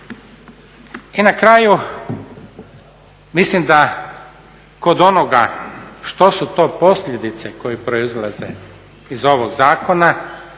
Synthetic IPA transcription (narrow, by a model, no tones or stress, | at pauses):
inakɾaju | mislimd̪a | ko̞d̪o̞noɡaʃt̪o̞sut̪o̞ːpo̞sʎʲe̞d̪it̪se̞ko̞jipɾo̞izlˠazḛ | izo̞ʋoɡzaːko̞na